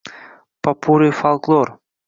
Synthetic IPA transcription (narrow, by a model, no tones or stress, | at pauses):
papuɾɨfalˠklˠor